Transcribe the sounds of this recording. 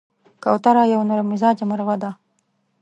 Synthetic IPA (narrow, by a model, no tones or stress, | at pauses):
kawt̪aɾɑjawnoɾamɪzɑd͡ʒamaɾwad̪a